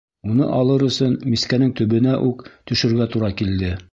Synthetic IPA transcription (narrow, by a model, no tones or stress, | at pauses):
unɤ̰ʔɑlˠɤɾɵ̆sɵnmiskænɘŋt̪ɵ̆βɘ̆næʔʉkt̪ɵ̆ʃɵ̆ɾɡæt̪uɾɑkild̪ɘ